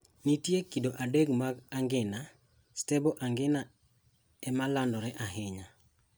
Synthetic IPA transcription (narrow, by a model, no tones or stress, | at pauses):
nitjekidoʔadeɡmaɡaŋɡɪna | stɛbɔʔaŋɡɪna | ɛmalandɔɾɛʔaɦɪɲa